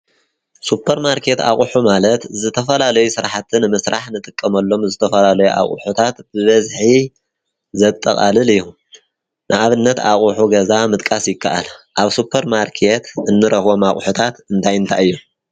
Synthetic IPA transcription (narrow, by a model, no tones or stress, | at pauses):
supʰːɐɾmaɾkʰe̞t̪a̰χʼħumalɐt̪zɨt̪ʰɐfɐlalɐjusɨɾaħat̪ʰɨnɨmɨsɾaħnɨt̪ʼɨkʼːɐmɐlːo̞mzɨt̪ʰɐfɐlalɐjuʔa̰χʼħut̪ʰat̪b̥ɨβɐzħi | zɐt̪ʼːɐχʼa̰lɨlɨjːu | nʔɨʔaβɨnːɐt̪aχʼuħuɡɐzamɨt̪ʼkʼasjɪkʰːaʔa̰lʔaβsupʰːɐɾmaɾkʰet̪ɨnːɨɾɐxβo̞maχʼħut̪ʰat̪ɨnt̪ʰajɨnt̪ʰaʔɨjːu